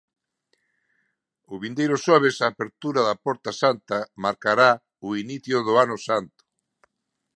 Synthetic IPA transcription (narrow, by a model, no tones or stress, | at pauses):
ʊβind̪ejɾʊʃɔβ̞esaːpeɾt̪uɾɐðɐpɔɾt̪asant̪ɐmaɾkaɾa | ʊiniθjʊðʊanʊsant̪ʊ̥